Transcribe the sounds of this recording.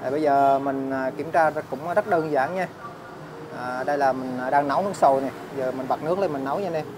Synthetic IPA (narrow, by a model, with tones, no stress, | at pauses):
a˨˩ɓə˧jzəː˨˩mï˨˩ŋ̟aː˨˩ki˨˧˩əmt͡ɕaː˧˦kʊ̰˧˥wŋ͡mzə˦˥t̚ɗəː˧nzaː˧˩ŋɲa˧ | ʔəː˨˩ɗə˧jlaː˨˩mï˨˩ŋ̟ː˨˩ɗaː˧ŋnə˨˦wnɨ˧˥ək̚so˨˩jna˨˩jzəː˨˩mï˨˩ŋ̟ɓa˨˩t̚nɨ˦˥k̚ɗə˧jmï˨˩ŋ̟na˨˦wɲa˧nɛ˧